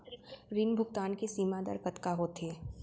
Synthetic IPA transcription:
ɾinbʱʊkt̪aːnkesiːmad̪ə̰ɾkət̪kaɦoːt̪e

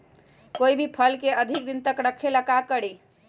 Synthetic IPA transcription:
koibʱipʰəlkeəd̪ʱik̚d̪int̪əkɾəkʰːeləkakəɽi

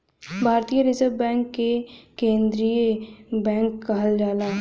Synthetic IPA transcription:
bʱaːɾt̪ijəɾɪzəʋbɛ̃ːŋkːekẽːnd̪ɾijəbɛ̃ːŋkːɐɦəld͡ʒaːlaː

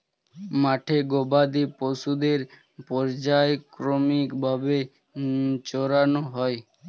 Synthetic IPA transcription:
maʈʰeɡobad̪iposud̪eɾ | pɔɾd͡ʑaekɾomikbʱabe | t͡ɕɔɾanoɦɔe

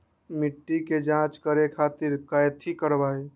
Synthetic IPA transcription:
mɪʈːiked͡ʒãt͡ʃkəɾekʰaːt̪iɾkajt̪ʰikəɾbae

